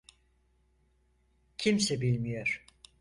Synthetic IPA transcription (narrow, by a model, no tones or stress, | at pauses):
cʰimsɛbilʲmijoɾ̥